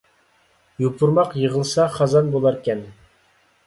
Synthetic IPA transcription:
jupʰuɾmɑqjəʁəlˠsɑχɑzɑnbolˠɑɾkʲɛn

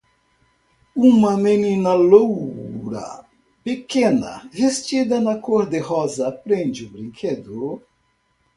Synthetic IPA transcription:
ũmɐmenĩnɐlowɾɐ̰ | pekẽnɐ̰vest͡ʃid̪ɐnɐkoɾd̪ɪhɔzɐpɾẽnd͡ʒɪʊbɾĩŋkʰed̪ʊ

